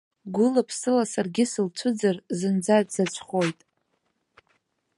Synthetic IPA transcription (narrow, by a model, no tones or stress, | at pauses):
ɡʷʊlapʰsɨlasarɡʲɪsɨlt͡ɕʷʰʊd͡zarzɨnd͡zatʼz̥at͡ʃʷʰʼχo̞jtʼ